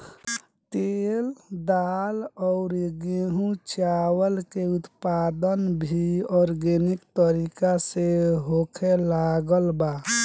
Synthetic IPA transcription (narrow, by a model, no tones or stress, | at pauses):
t̪eld̪alɔʊɾɡeɦũt͡ʃawəlkeut̪pad̪ənbʱiɔɾɡenikt̪əɾikaseɦokʰelaɡəlba